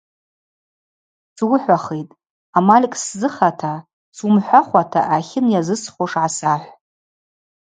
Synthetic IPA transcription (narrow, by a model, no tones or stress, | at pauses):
swʊħʷᶣaχejtʼ | amalʲkʼszɨχatʰa | sumħʷaχʷatʰa̰ʔaχʲɪnjazɨsχʷoʂʕasaħʷ